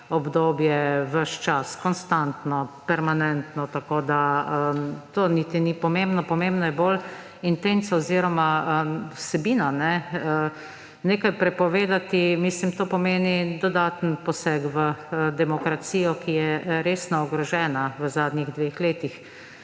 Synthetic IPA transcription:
ɔbd̪oːbjɛʋəʃt͡ʃaskɔnst̪ant̪nɔpɛɾmanɛnt̪nɔt̪akoːd̪aət̪oːnit̪inipɔmẽmbnɔpɔmembnɔjɛbol | int̪ent̪saɔziːɾɔmaəwsɛbiːnanɛə | neːkajpɾɛpɔʋeːd̪at̪imislimt̪oːpɔmeːnid̪ɔd̪at̪npɔsɛkʋəd̪ɛmɔkɾasiːjɔkijɛɾeːsnɔɔɡɾɔʒɛːnaʋəzaːd̪nʲiɣd̪ʋexleːt̪ix

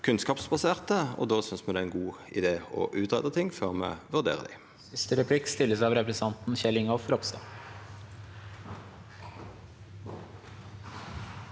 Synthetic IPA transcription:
kʰʉnskɑːpsbɑseːʁt̪əo̰ːd̪oːsʏnsmɛd̪ɛːɛɪnɡuːɪ̰d̪eːɔ̰ːʔʉːt̪ʁɛ̰d̪ət̪ʰɪŋføːʁmɛ̰ːʋʉʁd̪ḛːʁə̰d̪ɪ̰ | ɪst̪əɾɛpʰlɪkst̪ɪlːəsɑʋɾɛpɾɛsɑnt̪n̩çɛlɪŋɔfɾɔpst̪ɑ̰

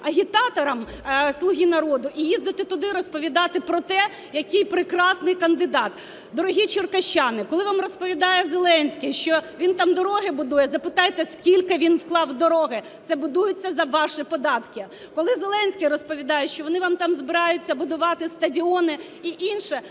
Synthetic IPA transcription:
ɐɦʲit̪ɑt̪ɔɾɐm | slˠʊɦʲinɐɾɔd̪ʊʔijizd̪ɪt̪ɪt̪ʊd̪ɪɾɔspɔʋʲid̪ɑt̪ɪpɾɔt̪ɛ | jɐkɪjpɾɪkɾɑsnɪjkɐnd̪ɪd̪ɑt̪ | d̪ɔɾɔɦʲit͡ʃɪrkɐʃt͡ʃːɑnɪkɔlˠɪʋɑmrɔspɔʋʲid̪ɑjɛzelˠɛnʲsʲkɪjʃt͡ʃɔʋʲint̪ɑmd̪ɔɾɔɦɪbʊd̪ujɛzɐpɪt̪ɑjt̪ɛskʲilʲkɪʋʲinwklˠɑwd̪ɔɾɔɦɪ | t̪sɛbʊd̪ujʊt͡sʲːɐzɐʋɑʃɪpɔd̪ɑt̪kʲɪ | kɔlˠɪzelˠɛnʲsʲkɪjrɔspɔʋʲid̪ɑjɛʃt͡ʃɔʋɔnɪʋɑmt̪ɑmzbɪɾɑjʊt͡sʲːɐbʊd̪ʊʋɑt̪ɪst̪ɐdʲiɔnɪ | iʔinʃɛ

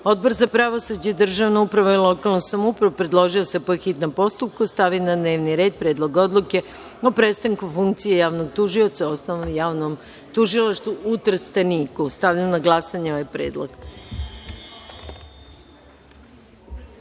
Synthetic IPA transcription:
o̞d̪̚bo̞ɾzapɾaʋosud͡ʑeid̪r̩ʒaʋnoupɾaʋoilˠo̞kalˠnosamoupɾaʋopɾed̪lˠo̞ʒiosepoxit̪nompo̞st̪up̚kost̪aʋinad̪ne̞ːʋniɾe̞ːd̪̚pɾe̞ːd̪lˠo̞ɡo̞d̪lˠuke̞ | o̞pɾe̞t̪st̪aŋkufuŋk̚t̪sijejaːʋno̞ɡ̚t̪uʒio̞t̪saosnoʋomjaːʋnom | t̪uʒilˠaʃt̪vuut̪ɾ̩st̪aniːkust̪aʋʎamnaɡlˠasaɲeo̞ʋajpɾḛːd̪lˠo̰ɡ

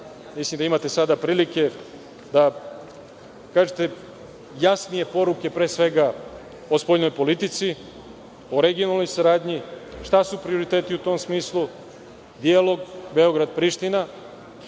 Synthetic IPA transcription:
mislimd̪aimat̪e̞sad̪apɾiːlike̞ | d̪a | kaːʒet̪e̞ | jasnije̞po̞ɾuke̞pɾe̞ːsʋe̞ɡa | ospo̞jno̞jpo̞lit̪it̪si | oɾe̞ɡijo̞nalˠno̞jsaɾaːd̪ɲiʃt̪asupɾio̞ɾit̪eːt̪iut̪o̞msmiːslˠu | d̪ialˠo̞ɡbe̞o̞ɡɾad̪pɾiːʃt̪ina

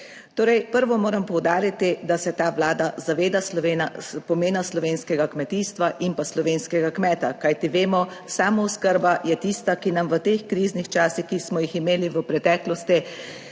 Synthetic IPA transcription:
t̪oːɾɛjpəɾʋɔmoːɾampɔwd̪aːɾit̪id̪asɛt̪aːʋlaːd̪azaʋeːd̪asenapɔmeːnaslɔʋeːnskɛɡakmɛt̪iːst̪ʋaʔimpaslɔʋeːnskɛɡakmɛːt̪akajt̪iʋeːmɔsaːmɔwskəɾbajɛt̪ist̪akinamʋət̪exkɾiːznixt͡ʃaːsixkismɔjiximeːliʋəpɾɛt̪ɛːklɔst̪i

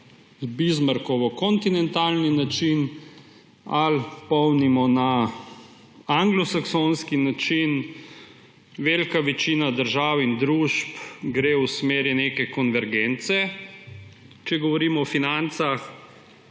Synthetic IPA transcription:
zbizmaɾkɔʋɔkɔnt̪inɛnt̪aːlninat͡ʃin | alpɔwnimɔna | aŋɡlɔsaksonskinat͡ʃin | ʋeːlkaʋɛt͡ʃiːnad̪əɾʒaːwind̪ɾuːʃpɡɾewsmeːɾineːkɛkɔnʋɛɾɡent̪sɛ | t͡ʃɛɡɔʋɔɾiːmɔɔfinant̪sax

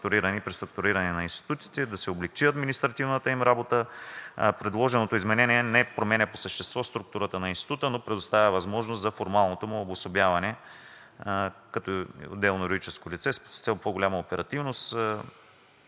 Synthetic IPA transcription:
t̪ʊɾiɾɐnipɾist̪ɾʊk̚t̪uɾiɾɐnɛnɐinst̪i̥t̪ut̪i̥t̪ɛd̪ɐsɛoblɛkt͡ʃiɐd̪minist̪ɾɐt̪ivnət̪əimɾabot̪ə | pɾɛd̪lˠɔʒɛnot̪oizmɛnɛniɛnɛpɾomɛnʲɛposəʃt̪ɛst̪vɔst̪ɾuk̚t̪uɾət̪ənɐinst̪i̥t̪ut̪ənopɾɛd̪ʊst̪avʲɐvɐzmɔʒnost̪zɐfoɾmalˠnot̪omʊːbosobʲjavɐnɛ | kɐt̪ɔo̰d̪ːɛlˠnojɾod̪it͡ʃɛskolʲit̪sɛsst̪ɛlˠpoɡolʲamɐopɛɾɐt̪ivnost̪

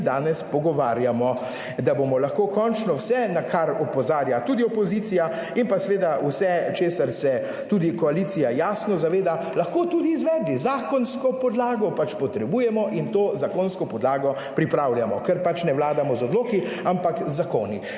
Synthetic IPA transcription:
d̪aːnɛspɔɡɔʋaːɾjamɔ | d̪abomɔlaxkoːkɔnt͡ʃnɔwsɛnakʰaɾɔpɔzaːɾjat̪uːd̪iɔpɔziːt̪sija | inpasɛʋeːd̪awsɛt͡ʃeːsaɾsɛ | t̪uːd̪ikɔaliːt̪sijajaːsnɔzaʋeːd̪a | laxkoːt̪uːd̪iːzʋɛːd̪lizaːkɔnskɔpɔd̪laːɡɔpat͡ʃpɔt̪ɾɛbuːjɛmɔʔint̪oːzakonskɔpɔd̪laːɡɔ | pɾipɾaːwljamɔkɛɾpat͡ʃnɛʋlaːd̪amɔzɔd̪loːki | ampakzːakoːni

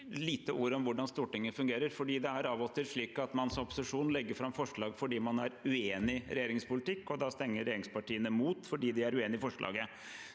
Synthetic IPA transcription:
liːt̪əʔuːɾɔmʋʊɖɑnst̪uːʈɪŋːəfʉŋɡeːɾəɾfɔɖiːd̪ɛæɾɑːʋɔt̪ɪlʂɭiːkɑt̪mɑnsɔmɔpʊ̥sɪʂuːnlɛɡːəɾfɾɑmfɔʂɭɑːɡfɔɖiːmɑnæɾʉeːnɪɾɛjeːɾɪŋspʊlɪt̪ɪkːɔd̪ɑːst̪ɛŋːəɾɛjeːɾɪŋspɑʈiːənəmuːt̪fɔɖiːd̪ɪæɾʉeːnɪfɔʂɭɑ̰ːɡə

